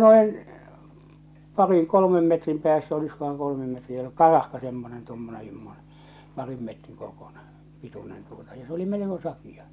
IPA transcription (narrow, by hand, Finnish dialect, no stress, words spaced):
noin pɑriŋ kolomem metrim pĕæːsːæ oliskohɑŋ kolomem metriæ kɑrɑhkɑ semːonen tomːonen se̝mːone pɑrim metriŋ korkuˑn̥e̥ pitunen tuotɑ jɑ se oli meleko sɑkijɑ